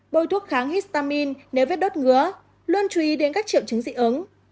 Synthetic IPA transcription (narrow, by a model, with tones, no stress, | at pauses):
ɓo˧˩jt̪ʰu˦˥ət̚xaː˨˦ŋhi˦˥st̪aː˧mi˧nne˨˦wvi˦˥t̚ɗo˦˥t̚ŋɨ˨˧˥ə | lu˧ənt͡ɕu˧ʔi˨˦ɗe˨˦nkaː˦˥k̚t͡ɕḭ˧˨əwt͡ɕɨ˨˦ŋzḭ˧˨ʔɨ˨˦n